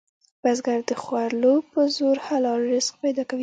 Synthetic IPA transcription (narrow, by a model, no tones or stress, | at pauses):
b̥azɡaɾd̪əxwaɾlopəzoɾhalɑɾɾɪsk̚pajd̪ɑkawi